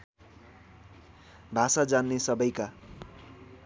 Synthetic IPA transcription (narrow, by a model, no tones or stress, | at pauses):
bʱasad͡zanːesʌbʌjka